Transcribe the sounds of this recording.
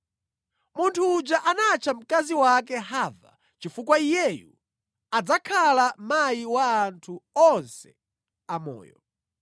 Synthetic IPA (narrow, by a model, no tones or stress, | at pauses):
muntʰuːd͡ʒaʔanat͡ʃʰam̩kaziwakɛɦava̰ | t͡ʃifukwaijɛjṵ | ad͡zakʰalamajiwaːntʰuɔnsɛ | amɔ̰ːjɔ̰